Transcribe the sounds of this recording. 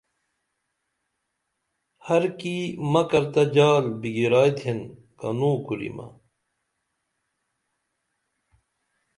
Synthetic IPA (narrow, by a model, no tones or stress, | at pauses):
hɐɾkimɐkɐɾt̪ɐd͡ʑaːlbiɡiɾaːt̪ʰen | kɐ̰nuːkuɾḭmɐ̰